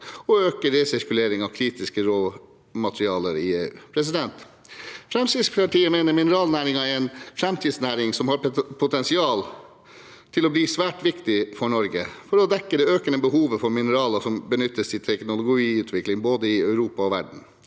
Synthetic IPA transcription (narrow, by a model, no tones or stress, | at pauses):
ɔøːkəɾeːsɪɾkʉleːɾɪŋɑʋkʰɾiːt̪ɪskəɾoː | mɑt̪ɾɪɑːləɾɪḛːʉ̰ːpʰɾɛs̬ɪd̪ɛnt̪ | fɾɛmsɪspʰɑʈʰiːəmeːnəɾmɪnəɾɑːlnæːɾɪŋɑæɾɛnfɾɛmt̪ʰiːd̪snæːɾɪŋsɔmhɑɾpʰʊt̪ʰɛnsɪɑːl | t̪ʰɪlɔbliːsʋæːʈʋɪkt̪ɪfɔɳɔɾɡəfɔɾɔd̪ɛkːəd̪ɛøːkənəbəhuːʋəfɔɾmɪnəɾɑːlɑsɔmbənʏt̪ːəssɪt̪ʰɛknʊlʊɡʊiːʉːt̪ʰʋɪklɪŋboːd̪əɪœʉɾuːpɑɔʋæɖɳ̩